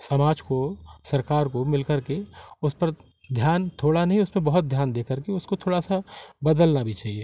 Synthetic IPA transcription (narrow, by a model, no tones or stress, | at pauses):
sɐmaːd͡ʒkosɐɾkaːɾkomɪlkəɾkeʊspɐɾ | d̪ʱjaːnt̪ʰoːɽanɐɦĩʊsmẽbɐɦʊt̪̚d̪ʱjaːnd̪eːkəɾkeʊskot̪ʰoːɽasabɐd̪əlnabʱit͡ʃaːɦieː